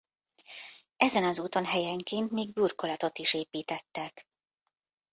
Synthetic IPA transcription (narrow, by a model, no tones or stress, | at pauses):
ɛzɛnɒzuːt̪o̞nɦɛjɛŋkeːnt̪miːɡ̚burkolɒt̪o̞t̪iʃeːpiːt̪ɛt̪ːɛk